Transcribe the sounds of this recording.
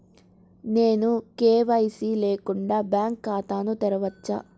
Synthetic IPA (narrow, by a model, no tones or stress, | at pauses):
ne̞ːnukeːʋɐjsileːkuɳɖaːbjaːŋkːaːt̪aːnut̪ɛɾɐʋɐt͡ʃːa̰